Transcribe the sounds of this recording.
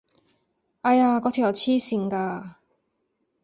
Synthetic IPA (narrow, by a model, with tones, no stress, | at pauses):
ɐ˧jaː˧kɔː˨˥t̪ʰi˨˩jɐ˨˧wt͡sʰiː˥si˧ŋkaː˧